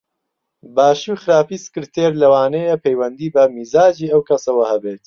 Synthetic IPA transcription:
baːʃuxɨɾaːpiːsɨ̥kɨɾt̪ʰeːɾlɐwaːnejɐpʰejwɐnd̪iːbɐmiːzaːd͡ʒiːɐwkʰɐsɐwɐhɐbeːt̪

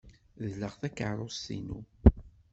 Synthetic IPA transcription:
ðləʁθækəʕɾˤosḭnu

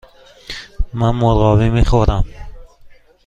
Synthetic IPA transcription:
manmoɾʁɔːvimeχoɾam

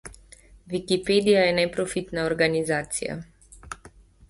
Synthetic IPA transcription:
ʋikipeːd̪ijajɛnɛpɾɔfit̪naɔɾɡanizaːt̪sḭja̰

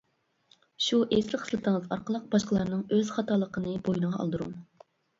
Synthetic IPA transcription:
ʃuʔeslɪχə̥slˠɨt̪ʰɨŋəzɑ̰ɾqəlˠəq̚bɑʃqəlˠɑɾnɨŋøz̥χɑt̪ɑːlˠəqʰənɨbojinəʁɑɑ̰lˠd̪uɾṵŋ

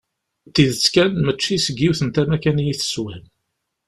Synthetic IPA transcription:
t̪ːiðət͡sːkænmət͡ʃːisəɡːiwθənt̪æmækænjiθə̥swæn

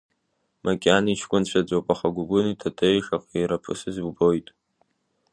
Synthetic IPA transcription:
makʲʼaniʃʰkʷʼʊnt͡ɕʷʰad͡ʒʷʼowpʼaχaɡʷʊɡʷʊnitʰatʰʼejʂaqʼiɾapʰɨ̰sɨzɡbo̞jtʼ

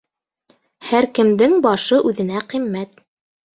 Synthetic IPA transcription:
hæɾkɘ̆md̪ɘŋbɑʃɤʔʉðɘ̆næqimːæt̪̚

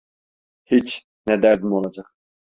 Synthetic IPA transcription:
hit͡ʃʰ | nɛd̪æɾd̪imolˠɑd͡ʒɑq

